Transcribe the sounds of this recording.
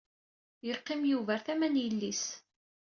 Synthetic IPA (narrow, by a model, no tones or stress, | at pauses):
jəqːɪmjuvæɾθæmænjəlːis